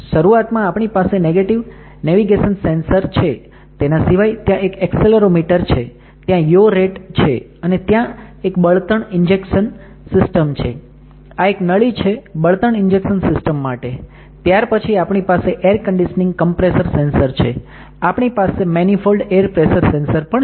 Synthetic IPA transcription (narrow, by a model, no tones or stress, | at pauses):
ʃəɾuat̪mãapɳipaseneɡeʈiʋ | neʋiɡeʃənsensəɾt͡ʃʰe | t̪enasiʋajt̪jãʔekɛkseləɾomiʈəɾt͡ʃʰe | t̪jãjoɾeʈt͡ʃʰe | ənet̪jãekbəɭt̪əɳɪnd͡ʒekʃən | sɪsʈəmt͡ʃʰḛ | aeknəɭit͡ʃʰebəɭt̪əɳɪnd͡ʒekʃənsɪsʈəmːaʈe | t̪jaɾpət͡ʃʰiapɳipaseʔeɾkəɳɖiʃənĩŋɡkəmpɾesəɾsensəɾt͡ʃʰḛ | apɳ̃ipasemɛnifʰolɖeɾpɾesəɾsensəɾpəɳ